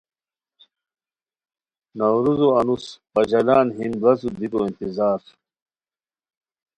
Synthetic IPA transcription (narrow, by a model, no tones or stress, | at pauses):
nɐwɾuzoɐnuspɐd͡ʑɐlaːnɦinbɐzud̪ikoĩnt̪izaːɾ